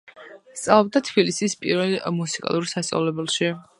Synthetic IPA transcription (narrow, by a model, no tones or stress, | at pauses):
st̪sʼalˠɔb̚d̪at̪ʰb̥ilisispʼḭɾvɛlˠmusikʼa̰lˠuɾsast̪sʼa̰vlɛbɛlˠʃi